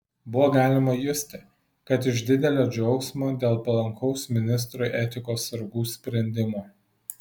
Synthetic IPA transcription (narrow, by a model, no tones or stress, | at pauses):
bʊʋoːɡɑːlʲɪmɐjʊsʲt̪ʲɪ | kɐt̪ɪʃd̪ʲɪd̪ʲɛlʲoːd͡ʒʲɛʊksmoːd̪ʲeːlˠpɐlˠɐŋkɔʊsmʲɪnʲɪs̬t̪ɾʊɪʔɛt̪ʲɪkoːsɐɾɡuːsʲpʲɾʲɛnʲd̪ʲɪmoː